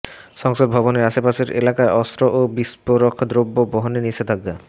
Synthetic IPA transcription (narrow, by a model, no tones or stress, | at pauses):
ʃɔŋsod̪̚bʱɔβoneɾaʃepaʃeɾḛlakaeʔɔst̪ɾoʔobispoɾokʰːd̪ɾobːoboɦoniniʃʰed̪ʱaɡa